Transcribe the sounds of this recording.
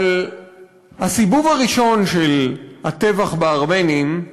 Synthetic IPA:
l | hasibuvaʁiʃo̞nʃelhat̪e̞vaχbeaʁme̞nim

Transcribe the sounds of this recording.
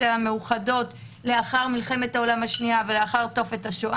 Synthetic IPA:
ameuχado̞t | le̞aχaʁmilχe̞methao̞lamhaʃniavele̞aχaʁto̞fe̞taʃoʔ

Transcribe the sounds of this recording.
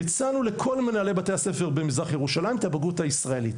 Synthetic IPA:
t͡sanule̞kʰo̞lmenale̞jbate̞jase̞fe̞ʁbemizʁaχjeʁuʃalaimt̪abaɡuthaisʁae̞lit

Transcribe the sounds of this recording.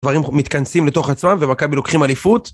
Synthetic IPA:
vaʁimmːit̪kansimleto̞χat͡smamve̞makabilo̞kχimalifut̪

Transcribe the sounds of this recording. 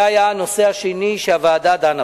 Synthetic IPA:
ajanoseaʃiniʃeavaːd̪ad̪ana

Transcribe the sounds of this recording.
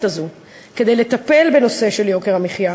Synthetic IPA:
tazu | ked̪e̞jlet̪ape̞lbe̞no̞se̞ʃeljo̞keʁamiχja

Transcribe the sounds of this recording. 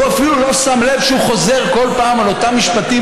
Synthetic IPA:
uafilulo̞samle̞vʃeuχo̞ze̞ʁko̞lpaːmalo̞t̪amːiʃpat̪i

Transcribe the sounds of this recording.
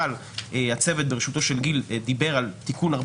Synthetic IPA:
al | ehat͡se̞vet̪̚beʁeʃut̪o̞ʃe̞lɡild̪ibe̞ʁalt̪ikunaʁ

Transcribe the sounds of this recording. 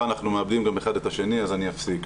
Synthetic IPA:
anaχnumeabdimɡameχadet̪aʃe̞niazanijafsik

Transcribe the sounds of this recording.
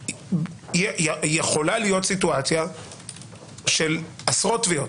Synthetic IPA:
jɛjjeχo̞lalijo̞tsituat͡sja | ʃelasʁotviot

